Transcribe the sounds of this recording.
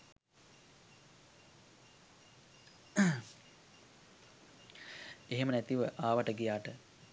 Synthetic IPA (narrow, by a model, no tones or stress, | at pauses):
eɦemənæt̪iʋəʔaːʋəʈəɡijaːʈə